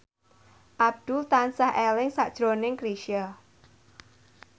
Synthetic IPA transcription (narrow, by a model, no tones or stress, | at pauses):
ʔab̚d̪̥ult̪ansahɛlɪŋsaʔd̥ʒ̥ɾonɪŋkɾiʃia